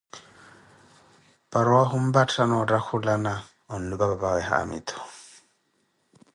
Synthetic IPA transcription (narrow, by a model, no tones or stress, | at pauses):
pʼaɾɔwaɦʊm̩batʰanɔɔtʼakʰʊlana | ɔn̩lʊbababaɣɛɦa̰a̰mḭːtʰɔ̥